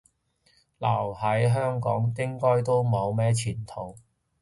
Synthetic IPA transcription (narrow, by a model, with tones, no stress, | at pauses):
lɐ˨˩whɐ˨˥jɦœː˥ŋkɔ̰ː˨˥ŋkɪ˥ŋkɔː˥jt̪o˥wmɐ˨˧wmɛː˥t͡sʰiː˨˩nt̪ʰo˨˩w